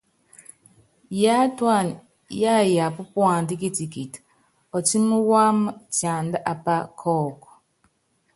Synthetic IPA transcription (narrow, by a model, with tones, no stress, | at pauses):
ja˦twa˦˨n | ja˦ja˨pu˦pwa˨ndi˦ki˦ti˨ki˨t | ɔ˨ti˦mu˦wa˦mə˦tja˨nda˦ʔa˨pa˦kʰɔː˦˨kɔ̥˨